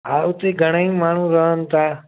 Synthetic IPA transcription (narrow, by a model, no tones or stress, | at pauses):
aːʋt̪eːɡʱəɽ̃əĩmaːɳ̤ũɾəɦənt̪aː